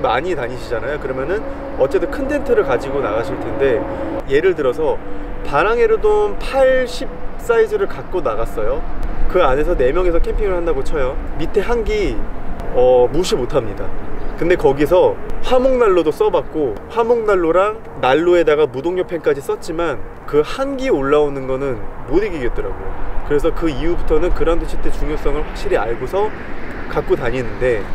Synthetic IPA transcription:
ma̰ɲitaɲiɕʰid͡ʑanajokɯɾʌmjʌnɯn | ʌt͡ɕ͈e̞dɯkʰɯntʰe̞ntʰɯɾɯɭkad͡ʑiɡonaɡaɕʰiɭtʰe̞nde̞ | je̞ɾɯɭtɯɾʌsʰʌ | paɾaŋe̞ɾodonpʰaɭɕʰip̚s͈aid͡ʑɯɾɯɭkat̚k͈onaɣas͈ʌjokɯane̞sʰʌne̞mjʌŋe̞sʰʌkʰe̞mpʰiŋɯɭhandaɡot͡ɕʰʌjomitʰe̞ɦaŋɡi | ʌmuɕʰimotʰamɲida̰kɯnde̞kʌɡis̬ʰʌɸwamoŋnaɭːodos͈ʌbak̚k͈oɸwamoŋnaɭːoɾaŋ | naɭːue̞daɡamudoŋɲopʰe̞ŋk͈ad͡ʑis͈ʌt̚t͡ɕ͈iman | kɯhanɡioɭːaonɯnɡʌnɯnmodiɡiɡet̚t͈ʌɾa̰ɡo̰jokɯɾe̞s̬ʰʌkɯiubutʰʌnɯnkɯɾandoɕʰit͈ʰet͡ɕuŋjos͈ʌŋɯɭɸwak̚ɕ͈iɾiaɭɡosʰʌ | kak̚k͈otaɲinːɯnde̞

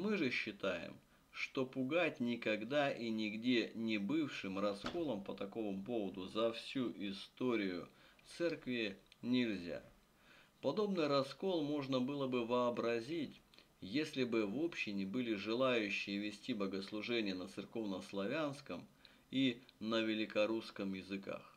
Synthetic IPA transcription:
mɨʐɨɕːɪt̪ajɪ̰m | ʂt̪o̞pʊɡatʲnʲɪkɐɡd̪aʔinʲɪɡdʲenʲɪbɨfʂɨmrɐsko̞lˠəmpət̪ɐko̞məmp̬o̞vəd̪ʊzɐfsʲuʔɪst̪oɾʲɪjʊ̰t̪sɛrkvʲɪnʲɪlʲzʲa̰ | pɐd̪o̞bnɨjɾɐsko̞lˠmo̞ʐnəbɨlˠəbɨvəːbɾɐzʲitʲ | jesʲlʲɪbɨvo̞pɕːɪnʲɪbɨlʲɪʐɨlˠajʉɕːɪjəvʲɪsʲtʲibəɡəslˠʊʐɛnʲɪjənət̪sɨrko̞vnəslˠɐvʲanskəm | inəvʲɪlʲɪkɐɾuskəmjɪzɨka̰x

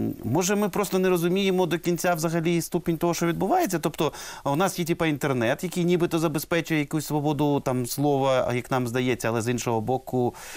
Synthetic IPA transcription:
mɔʒɛmɪpɾɔst̪ɔneɾɔzʊmʲijemɔd̪ɔkʲinʲt͡sʲawzɐɣɐlʲist̪upenʲt̪ɔɦɔʃt͡ʃɔʋʲid̪bʊʋajet͡sʲːɐt̪ɔpt̪ɔʊnɑsjitʲipɐint̪ernɛt̪jɐkʲijnʲibɪt̪ɔzɐbespɛt͡ʃʊjɛjɐkusʲsʋɔbɔd̪ʊt̪ɑmslˠɔʋɐjɐknɑmzd̪ɐjɛt͡sʲːɐɐlˠɛzinʃɔɦɔbɔkʊ

